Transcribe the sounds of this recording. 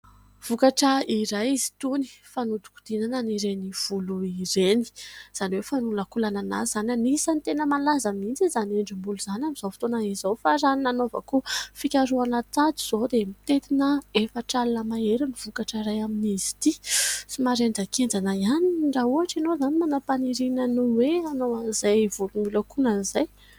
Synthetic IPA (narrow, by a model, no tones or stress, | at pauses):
v̥ukaʈ͡ʂəiɾajizi̥t̪uni̥fanud̪u̥ku̥d̪̥inananiɾeniv̥uluiɾeni̥z̥aniwefanulakulanana̰z̥ananisanit̪enəmalazamint͡sizaneɳɖ͡ʐimbuluzanamiz̥ofi̥t̪onaizowfaɾaninanova̰kufikʲaɾuanat̪ad͡zi̥z̥od̪emit̪et̪inəefəʈ͡ʂalnəmaeɾiniv̥ukaʈ͡ʂaɾajaminizi̥t̪isimaɾend͡zakend͡zanajaniɳɖ͡ʐauaʈ͡ʂinozanimanapaniɾinənuweanowanizajvulumulakunanizaj